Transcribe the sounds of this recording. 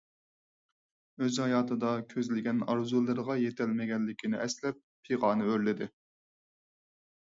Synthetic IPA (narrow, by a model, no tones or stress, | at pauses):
øzhɑjɑːt̪ʰɨd̪ɑkʲʰøzlɪɡʲɛnɑɾzulˠɨɾʁɑjet̪ʰɛlmɪɡʲɛnːɪkʲʰinɪɛslɛp̚ʰːeʁɑːnɨøɾlɪd̪ɪ